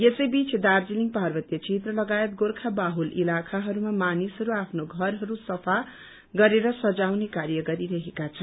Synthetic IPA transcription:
jesʌjbit͡sʰd̪ard͡ziliŋpaɦrbʌt̪jʌt͡set̪rʌlʌɡajet̪̚ɡorkʰabaɦulʔilakʰaɦʌɾumamanisɦʌɾuapʰnoɡʱʌrɦʌɾusʌpʰa | ɡʌɾeɾʌsʌd͡zawnekaɾjʌɡʌɾiɾʌɦekat͡sʰʌn

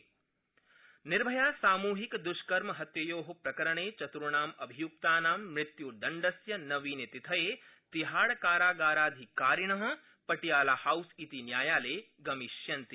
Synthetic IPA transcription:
nɪɾbʱɐjaːsaːmuːɦikd̪ʊʃkɐɾmɐɦɐt̪jɐjoːɦɐpɾɐkɐɾɐɳ̃eːt͡ʃɐt̪ɾuɳaːmɐbʱijuk̚t̪aːnaːmːɾɪt̪jud̪ɐɳɖɐsjɐnɐʋiːnet̪it̪ʰɐeːt̪iɦaːɽkaːɾaːɡaːɾaːd̪ʱikaːɾiɳ̃ɐɦɐ̆ | pɐʈijaːlaːhawsit̪injaːjaːleː | ɡɐmiʃjɐnt̪i

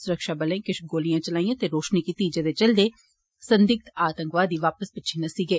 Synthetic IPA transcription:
sʊɾəkʃaːbəlẽːkɪʃɡoːlijãːt͡ʃəlaːĩjãːt̪eːɾoːʃniːkit̪iːd͡ʒed̪eːt͡ʃəld̪eː | sənd̪ɪk̚t̪aːt̪ə̃ŋkʋaːd̪iːʋaːpəspɪtːt͡ʃʰenɐsiːɡeː

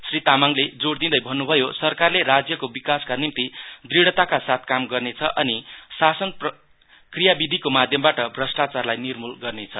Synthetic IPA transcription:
srit̪amaŋled͡zoɽd̪ind̪ʌjbʱʌnːubʱʌjosʌrkarleɾad͡zjʌkobikaskanimt̪id̪riɽʌt̪akasat̪̚ʰkamɡʌrnet͡sʰʌʔʌnisasʌnpʌ | krijabid̪ʱikomad̪ʱjʌmbaʈʌbʱrʌsʈat͡sarlajnirmulɡʌrnet͡sʰʌ

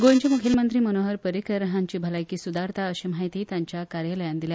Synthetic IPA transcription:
ɡoɲt͡ɕemukʰilmənt̪ɾiːmənoɦəɾpəɾikəɾəɦaɲt͡ɕiːbʱəlajkiːsud̪aɾt̪ʰaəɕimaɦit̪iːt̪jaɲt͡ɕjakaɾjələjand̪ilja

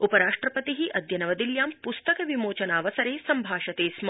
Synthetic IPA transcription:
upɐɾaːʂʈɾɐpɐt̪iɦiʔɐd̪jɐnɐʋɐd̪iljaːmpust̪ɐkɐʋimoːt͡ʃɐnaːʋɐsɐɾeːsɐmbʱaːʃɐt̪eːsmɐ

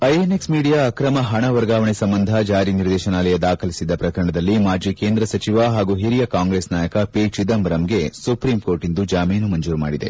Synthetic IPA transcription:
ɐjeneksmiːɽijaːɐkɾɐmɐɦɐɳɐʋɐɾɡaːʋɐɳesɐmbɐnd̪ʱɐd͡ʒaːɾiniɾd̪ɛːʃɐnaːlɐjɐd̪aːkʰɐlisid̪ːɐpɾɐkɐɾɐɳɐd̪ɐlːimaːd͡ʒiːkeːnd̪ɾɐsɐt͡ʃiʋaɦaːɡuːɦiɾijɐkaːŋɡɾeːsnaːjɐkɐpeːt͡ʃid̪ɐmbɐɾɐmɡe̞supɾiːmkoːɾʈind̪ud͡ʒaːmeːnumɐɲd͡ʒuːɾuma̰ːɽid̪e̞̰

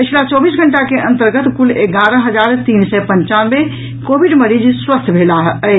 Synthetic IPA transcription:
pɪt͡ʃʰlat͡ʃɔːbiːsɡʱəɳʈakeʔə̃nt̪əɾɡət̪kuleɡaːɾə̃ɦəd͡ʒaːɾt̪iːnsɛpə̃ɲt͡ʃaːnʋe | koːbiɖməɾiːd͡ʒswəst̪ʰbʱeːlaɦə

